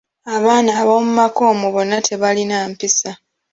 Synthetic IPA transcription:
aβaːnaːβomumako̞ːmuβo̞nːatʰe̞βalinaːmpisa

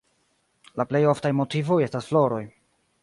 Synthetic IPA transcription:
laple̞jo̞ftajmo̞tivo̞je̞stasflo̞ɾo̞j

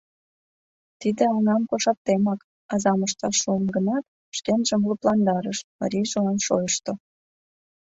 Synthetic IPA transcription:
t̪id̪ĕɑŋɑmkoʃɑp̚t̪emɑk | ɑzɑməʃt̪ɑʃːuəmɡənɑt̪ | ʃt̪enʒəmluplɑnd̪ɑɾəʃmɑ̰ɾʲiʒəɑmʃo̰jəʃt̪o

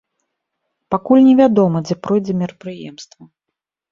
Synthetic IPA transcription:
pakulʲnʲɛvʲad̪ɔmɐd͡zʲɛpɾɔjd͡zʲɛmʲɛɾɐpɾɨjɛ̰mst̪vɐ

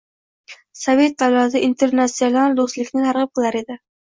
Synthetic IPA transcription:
save̞t̪̚d̪alˠad̪aint̪ʰeɾnasijonalˠd̪ost̪lɪkʲnɪt̪ʰaɾʁɨp̚qʰɨlˠaɾe̞d̪ɪ

